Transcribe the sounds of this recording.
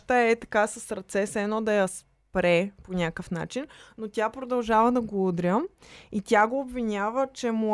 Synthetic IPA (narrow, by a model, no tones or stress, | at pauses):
t̪əɛt̪ɐ̥kasəsɾɐt̪sɛsɛnɔd̪ɐjɐs | pɾɛponʲakəfna̰t͡ʃinnot̪ʲjapɾod̪ɐlˠʒavəd̪ɐɡoud̪ɾʲəit̪ʲaɡoːbvinʲavət͡ʃɛmo